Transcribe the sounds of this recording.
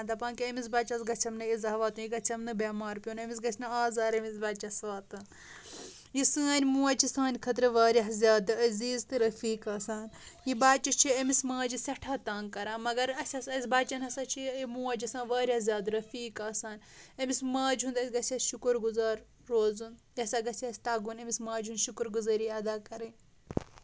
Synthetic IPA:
ɐnd̪ɐpãːnkiɐmisbaːt͡ʃɐsɡɐt͡ʃʰɐmnɨizɐɦʋaːt̪ujiɡɐt͡ʃʰɐmnɨbʲaːmaːɾpʲjoːnɐmʲis̬ɡɐt͡sʰnɨaːzaːɾɐmisbaːt͡ʃɐsʋaːt̪ɐn | jisɨːɐnʲmũːɐt͡ʃʰisãːnʲkʰɐt̪̬ɾɨʋaːɾʲɐɦzʲaːd̪ɨɐziːzt̪ɨɾɐfiːkaːsaːnjibaːt͡ʃit͡ʃʰiɐmismãːd͡ʒisʲɐʈʰaːt̪aːnkɐɾaːmɐɡɐɾɐsʲɐsɐsʲbaːt͡ʃɐnhɐsat͡ʃʰimuːɐt͡ʃisãːnʋaːɾʲahzʲjaːd̪ɾɐfiːkaːsaːnɐmismaːd͡ʒũnd̪ɐsʲɡɐsʲiɐsʃukuɾɡuzaːɾː | oːzunjiɐsaːɡɐsʲiɐsʲt̪ɐːɡunɐmʲismãːd͡ʒɦund̪ʃukɾɡuzɐɾiːɐd̪aːkɐɾɐnʲ

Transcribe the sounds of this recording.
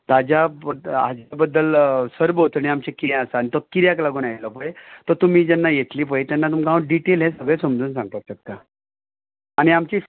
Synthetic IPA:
t̪ad͡ʑaəa̰d͡ʑabəd̪ːəlsəɾbɦot̪əñiamt͡ɕẽkiɾɛ̃asaañit̪ɔkiɾjaklaɡuːnajit̪lɔpəet̪ɔt̪um̤iːd͡ʑɛnːajet̪liːp̬əet̪janːat̪umkauɖiʈelɦɛ̃səɡɭẽsəmd͡zuːnsãŋɡt̪ət̪ɕək̚t̪a | añiamt͡ɕi

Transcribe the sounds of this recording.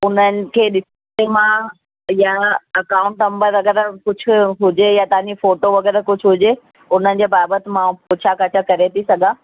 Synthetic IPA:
ʊn̤ənɪ̆kʰeːɗɪs | emã | jaɐkaːʊ̃ɳʈnɐ̃mbəɾʋɐɡɛːɾəkʊd͡ʑʱʊ̆ɦʊd͡ʑejat̪ɐɦãɲd͡ʑifoːʈoʋɐɡɛːɾkʊd͡ʑʱɦʊd͡ʑe | ʊn̤ənɪ̆d͡ʑeːbaːbət̪ɪmãpot͡ɕʰakɐt͡ɕʰəkɐɾet̪ʰisɐɡʱa

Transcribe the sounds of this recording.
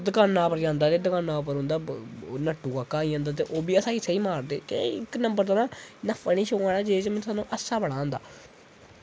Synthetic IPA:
d̪əkaːnːaːpəɾd͡ʒãːnd̪aːɾeːd̪əkaːnaːʊpəɾɦʊ̃nd̪aːnəʈːuːkaːkːaːiːãːnd̪aːt̪̬eːʔoːbiːəsaːiːsəiːmaːɾd̪eːt̪ḛɪknəmbəɾd̪aːnãːnəpʰəniːʃoːaːnaːd͡ʒeːd͡ʒmɛ̃nsaːnũːʔəsaːbəɽãːnd̪a̰ː

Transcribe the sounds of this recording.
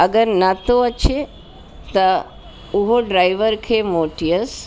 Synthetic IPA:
əɡəɾnat̪oət͡ʃʰe | t̪ɐ | uɦoɖɾajʋəɾkʰemoʈijəs

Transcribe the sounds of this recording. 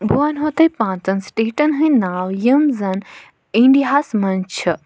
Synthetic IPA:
bʱuanɦot̪ɐjpãːnt͡sɐnsʈeːʈɐnɦɨ̃jnaːwjəmzɐn | ĩɳɖiɦasmɐnt͡ʃʰɨ

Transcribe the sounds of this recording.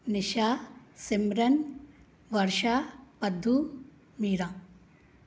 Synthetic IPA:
nɪʃaːsimɾɐn | ʋɐɾʃaːpɐd̪ʱːu | miːɾã

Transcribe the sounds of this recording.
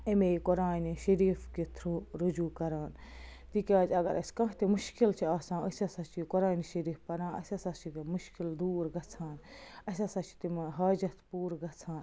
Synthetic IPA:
ɐmekoɾaːniʃɐɾiːfkit̪ʰɾuːɾud͡ʒuːkɐɾaːnt̪iːkʲaːd͡ʒɐɡɐ̰ɾʔɐskɐ̃ɦt̪imʊʃkilt͡ʃʰiaːsãːɐsʲɐsɐt͡ʃʰikoɾaːniʃɐɾiːfpɐɾãːɐ̰sʲɐsɐt͡ʃʰikmʊʃkild̪uːɾɡɐt͡sʰaːnɐsʲasat͡ʃʰi̥t̪imɦaːd͡ʒɐt̪puːɾɡɐt͡sʰãːn

